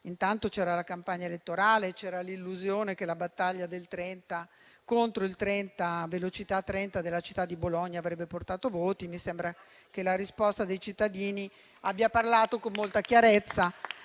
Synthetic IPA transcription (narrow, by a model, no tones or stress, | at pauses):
int̪ant̪ot͡ʃɛːɾalakampaɲːaelet̪ːoɾaːlet͡ʃɛːɾalilːuzjoːnek̟elabat̪ːaʎːad̪elt̪ɾɛnt̪a | kont̪ɾoilt̪ɾɛnt̪avelot͡ʃit̪at̪ːɾɛnt̪ad̪elːat͡ʃi̥t̪ːad̪ːiboloɲːaːvɾɛbːeport̪aːt̪ovoːt̪imisembɾa | kelaɾispɔst̪ad̪ejt͡ʃit̪ːad̪iːni | abjaparlaːt̪okomːolt̪akjaɾet̪sːa